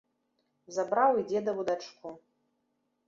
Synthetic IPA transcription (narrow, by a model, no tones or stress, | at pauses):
zabɾawid͡zʲɛd̪ɐwud̪at͡ʂku